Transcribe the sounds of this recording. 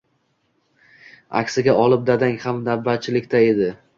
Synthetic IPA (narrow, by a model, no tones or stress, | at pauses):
a̰kʲsɪɡʲaʔɒlˠɪp̚d̪ad̪aŋhamd̪abːat̪̚t͡ʃʰɪlɪkʲt̪ʰae̞d̪ɪ